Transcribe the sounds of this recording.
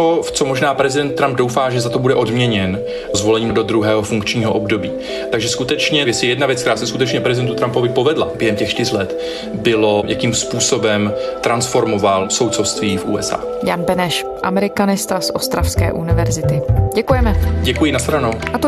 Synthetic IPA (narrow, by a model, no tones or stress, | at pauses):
oft͡somoʒnaːpɾɛzɪdɛnt̪̚t̪ːɾamb̚do̞wfaːʒɛzat̪o̞budɛʔo̞dmɲɛɲɛn | zvo̞lɛɲiːdo̞d̪ɾuɦɛːɦo̞fuŋkt͡ʃɲiːɦo̞ʔo̞bdo̞biː | t̪aɡʒɛskut̪ɛt͡ʃɲɛjɛsɪjɛdnavjɛt͡skt̪ɛɾaːsɛskut̪ɛt͡ʃɲɛpɾɛzɪdɛnt̪ut̪ɾampo̞vɪpo̞vɛdla̰bjɛɦɛmcɛxʃt̪ɪrlɛt̪ | bɪlo̞jʔakiːmspuːso̞bɛmt̪ɾansfo̞ɾmovalso̞wt̪sofst̪viːfʔṵːɛsʔa̰ː | ja̰nbɛnɛʃ | ʔamɛɾɪkanɪst̪asʔost̪ɾafskɛ̰ːʔunɪvɛɾzɪt̪ɪɟɛkujɛmɛɟɛkujɪnasɾanoʔat̪o